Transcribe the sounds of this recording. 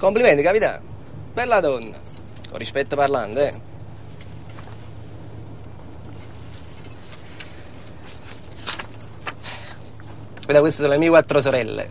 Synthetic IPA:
komplimɛnt̪ikapit̪a̰ | bɛɾlad̪ɔnːa̰ | ko̰rispɛt̪ːəparlant̪ɛ | kavit̪akwest̪esoːnolemiːekwat̪ːɾos̬oɾɛlːḛ

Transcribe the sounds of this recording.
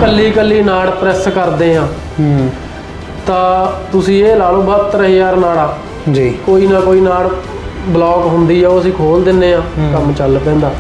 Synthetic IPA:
kəlːiːkəlːiːnaːɽpɾɛːskəɾd̪eːɦãː | t̪ãːt̪ʊsĩːeːlaːlõːbəːt̪əɾəːɦeːaːɾnaːɽaː | d͡ʒikoːiːnãːkoːiːnaːɽ | blɔːkɦʊnd̪iːɛːəsĩːkʰoːld̪ɪnːeːɦãːkəmt͡ʃəlpɛ̃ːnd̪aː

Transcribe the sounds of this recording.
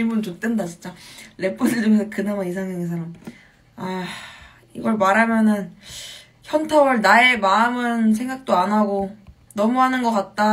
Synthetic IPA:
imbunt͡ɕot̚t͈wendad͡ʑt͡ɕint͡ɕ͈ale̞p͈udɯɭd͡ʑomesʰʌkɯnamais̬ʰaŋsʌŋes̬ʰaɾam | a | ḭɡʌɭmaɾamjʌnɯn | çjʌntʰawɯɭnae̞maɯmɯns̬ʰe̞ŋɡak̚t͈oanɦaɡo | nʌmuɦanɯnɡʌk͈at̚t͈a

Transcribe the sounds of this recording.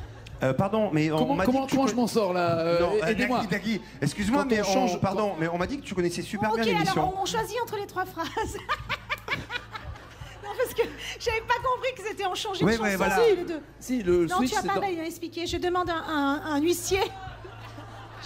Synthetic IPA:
øpaʁd̪ɔ̃mɛɔ̃m̃madkɔm̃ɔmɑ̃ʒəmɑ̃sɔʁlaønɔ̃ed̪maid̪aɡʲi | ɛkskʲyzemwamɛɔ̃ɑ̃ʒpaʁdd̪ɔ̃mɛɔ̃mad̪ikət̪ykɔnɛsɛsypɛʁbjɛ̃emailɔsʁjɔ̃ɔ̃mɔ̃ʃwaziɑ̃t̪χəlet̪χwafχaz | nɔ̃paʁsə̥kəʒ̥avɛpakɔ̃pχikəset̪ɛɑ̃ʃɑ̃ʒewɛwɛvwalaled̪ø | silələ̃t̪yaspamɛilɛ̃ɛksplikʲeʒəd̪əmɑ̃d̪ɛ̃ʔɛ̃ɛ̃nɥisje

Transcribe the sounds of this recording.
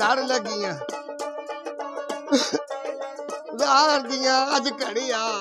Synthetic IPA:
aɽləɡɪjãː | ɡãːəɾd̪ɪjãːəd͡ʒkəɽiːaː

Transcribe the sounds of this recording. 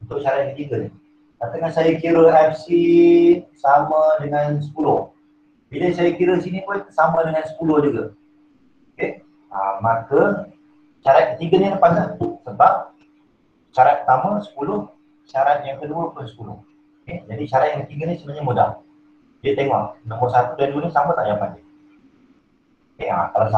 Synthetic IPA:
unt̪ʊk̚ʃaɾat̪̚ŋkət̪iŋɡən | k̪at̪əŋansajakiɾəɛfsi | samãdəŋansə̥pulʊh | biləsajakiɾəsinipʊnsamãdəŋansə̥pulʊhd͡ʒuɡa̰ | oke | ə̰makə | ʃaɾat̪̚kət̪iɡəniləpasnəsəbap̚ | ʃaɾat̪̚pət̪amasə̥pulʊh | ʃaɾat̪̚jaŋkəduəpʊnsə̥pulʊ̰h | ked͡ʒadiʃaɾat̪jãŋkət̪iɡənĩsəməɲamuda̰h | d͡ʒiət̪eŋɔ̰ʔ̚nɔ̃mʊrsat̪udanduənisamət̪aʔɲaŋpani | kea̰k̪alasa

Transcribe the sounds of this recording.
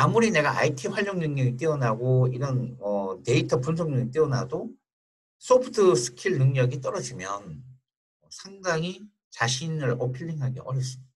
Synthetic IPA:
amuɾine̞ɡaʔa̰itʰiɸwaʎːoŋnɯŋɲʌɡit͈eʌnaɡoiɾʌnʌte̞itʰʌpunsʰoŋɲʌŋit͈eʌna̰do | s͈ʰopʰɯ̥tʰɯsʰɯ̥kʰiɭnɯŋɲʌɡit͈ʌɾʌd͡ʑimjʌn | ʌsʰaŋdaŋi | t͡ɕaɕʰinɯɭʌpʰiʎːiŋɦaɡeʔʌɾjʌp̚s͈ɯmid̥aḁ

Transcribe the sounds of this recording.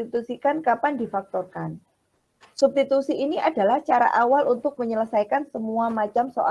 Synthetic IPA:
it̪usikankapandifak̚t̪ɔrkan | sup̚sit̪usiiniʔada̤laht͡ʃaɾa̰ʔawalunt̪ʊk̚məɲələsajkansəmuamat͡ʃamsoʔa

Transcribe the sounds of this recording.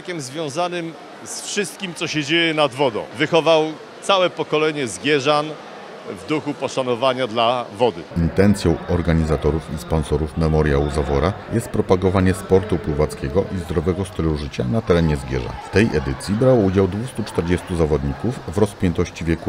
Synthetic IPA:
kʲɛmzvʲjɔ̃w̃zanɘm | sfʂɘst̪̚kʲimt̪sɔɕɛd͡ʑejɛnad̪vɔd̪ɔ̰̃w̃vɘxɔvaw | t̪sawɛpɔkɔlɛɲɛzɡʲjɛʐan | vd̪uxupɔʂanɔvaɲad̪lavɔd̪ɘ̰int̪ɛnt̪sʲjɔ̃w̃ɔɾɡaɲizat̪ɔɾufispɔnsɔɾufmɛmɔɾjawuzavɔɾajɛst̪̚pɾɔpaɡɔvaɲɛspɔɾt̪upwuvat̪skʲɛɡɔʔizd̪ɾɔvɛɡɔst̪ɘluʐɘt͡ɕanat̪ɛɾɛɲɛzɡʲjɛ̰ʐa̰ft̪ɛjʔɛd̪ɘt̪sʲjibɾawɔud͡ʑawd̪vust̪ut͡ʂt̪ɛɾd͡ʑɛst̪uzavɔd̪ɲikufːɾɔspʲjɛnt̪ɔɕt͡ɕivʲjɛku

